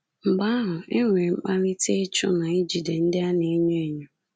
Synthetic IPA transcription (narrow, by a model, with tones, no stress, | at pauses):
ŋ͡m̩˨ɡ͡ba˦ɦʊ˨ɪ˦ŋʷe˨ŋ͡m̩˦k͡pa˦nɪ˦te˦e˦t͡ʃʊ̰˦na˨i˦d͡ʒi˨de˨n̩˦dɪ˦a˦ne˨˦ɲo˦e˨ɲʊ˦